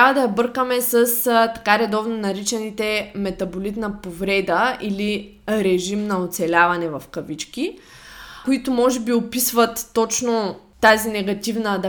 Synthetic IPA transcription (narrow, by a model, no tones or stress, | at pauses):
t̪ɾavəd̪ɐjɐbɤɾkəmɛsəst̪ɐ̥kaɾɛd̪ɔvnonɐɾit͡ʃɛnit̪ɛmɛt̪ɐbolit̪nɐpovɾɛd̪əili | ɾɛʒimnɐot̪sɛlʲavɐnɛvɐfkɐvit͡ʃki | kʊit̪ʊmɔʒɛbiopisvɐt̪ːɔt͡ʃnoː | azinɛɡɐt̪ivnəd̪ɐ